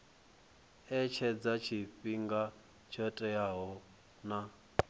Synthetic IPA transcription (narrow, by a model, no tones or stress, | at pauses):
ɛt͡ʃʰɛd͡zat͡ʃʰiɸiŋɡa | t͡ʃʰɔtʼɛjaɦɔ | na